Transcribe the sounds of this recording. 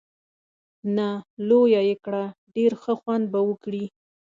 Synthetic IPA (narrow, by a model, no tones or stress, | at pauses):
nalojajekɽaɖeɾxəxwand̪̚bawəkɽi